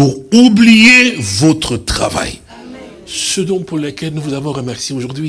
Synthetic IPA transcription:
uʁublijevɔt̪χət̪χa̰va̰j | səd̪ɔ̃puʁləkʲɛlnuvuzavɔ̃ʁəmɛʁsjeoʒuʁd̪ɥi

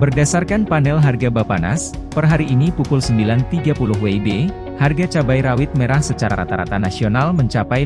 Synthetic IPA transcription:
bərdasarkanpanɛlɦarɡabapana̰spərɦaɾiʔːnipukʊlsəmbilant̪iɡapulʊɦweibe | harɡat͡ʃabajɾawɪt̪̚meɾahsət͡ʃaɾa̰ɾa̰t̪aɾa̰t̪anasionalməɲt͡ʃapaj

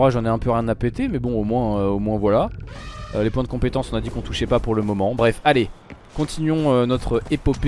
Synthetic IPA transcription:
ʁaʒɑ̃nɛɛ̃pøʁjɛ̃napet̪emɛbɔ̃omwɛ̃øomwɛ̃vwala | ølepwɛ̃d̪əkɔ̃pet̪ɑ̃sɔ̃nad̪ikɔ̃t̪uʃɛpapuʁləmɔmɑ̃bʁɛfale | kɔ̃t̪ʰinɥɔ̃ønɔt̪χəepɔp

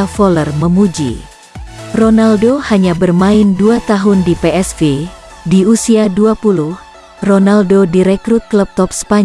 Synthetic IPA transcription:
afɔlərməmud͡ʒḭ | ronaldohaɲabərmaɪnduat̪aɦʊndipeɛsve | diusiaduapuluh | ronaldodiɾekɾut̪̚kləp̚t̪ɔp̚sə̥paɲ

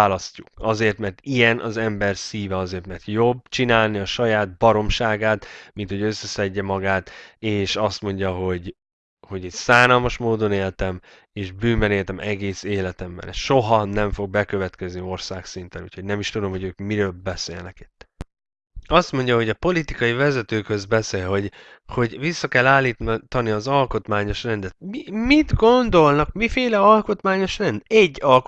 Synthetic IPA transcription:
aːlɒscukɒzeːrt̪mɛrt̪ijɛnʔɒ̰zɛmbɛrsiːvɛɒzeːrt̪mɛrt̪jo̞bːt͡ʃinaːlniɒʃɒjaːd̪̚bɒɾo̞mʃaːɡaːt̪mint̪ho̞ɟø̞sːɛsɛɟːɛmɒɡaːt̪eːʃɒst̪mo̞ɲɟɒɦo̞ɟ | ho̞ɟit̪saːnɒlmɒʃmoːd̪o̞neːlt̪ɛm | eːʒbyːmbɛneːlt̪ɛmʔɛɡeːseːlɛt̪ɛmbɛ̰nɛsʃo̞ɦɒnɛɱfo̞ɡ̚bɛkø̞vɛt̪kɛznio̞rsaːksint̪ɛnṵːcʰho̞ɟnɛmiʃt̪ud̪o̞mɦo̞ɟøːkmiɾøːlbɛsḛːlnɛki̥t̪ː | ɒst̪mo̞ɲɟɒɦo̞ɟɒpo̞lit̪ikɒjivɛzɛt̪øːkhø̞zbɛseːlɦo̞ɟ | ho̞ɟvisːɒkɛlːaːlːiːt̪t̪ɒniɒzɒlko̞t̪maːɲo̞ʃrɛnd̪ɛt̪̚mimid̪ɡo̞nd̪o̞lnɒkmifeːlɛɒlko̞t̪maːɲo̞ʃrɛnd̪ɛɟːɒlk

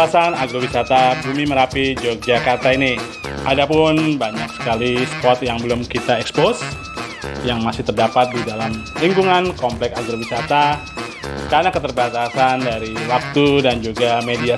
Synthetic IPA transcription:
asanaɡɾowisat̪abumiməɾapid͡ʒok̚d͡ʒakart̪aini | ʔadapʊnbaɲaksə̥kalispɔt̪jaŋbəlʊmkit̪aɛkspos | jaŋmasɪht̪ərdapat̪̚didalamliŋkuŋankɔmplɛksaɡɾowisat̪a | kaɾnakət̪ərbat̪asandaɾiwak̚t̪udand͡ʒuɡamedia

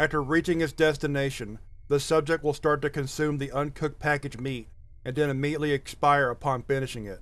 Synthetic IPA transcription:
æftə˞ɹit͡ʃɪ̃ŋɨtsd̥ɛstɨneɪʃɨ̃nðəsʌb̚d͡ʒɨk̚t̚wəlˠstɑɹtɨkɨ̃nsʉ̃mðiʔʌ̃nkʰʊk̚pʰækɨd͡ʒmiɾ | ɨ̃nðɨ̃nɨmiɾiɨtˡliɨkspaɪə˞əpʰɑ̃nfɪ̃ñɨʃɪ̃ŋɪt̚

